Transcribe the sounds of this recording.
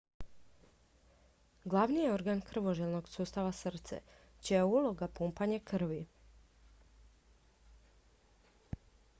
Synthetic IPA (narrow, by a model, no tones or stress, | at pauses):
ɡlˠaʋnijeo̞ɾɡankr̩ʋoʒelnoɡsuːst̪aʋasr̩t̪sḛ | t͡ɕeulˠo̞ɡapumpaɲekr̩ʋi